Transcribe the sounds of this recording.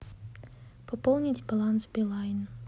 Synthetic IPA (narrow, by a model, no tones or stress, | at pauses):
pɔpolˠnʲitʲbɐlˠansbʲɪlˠajn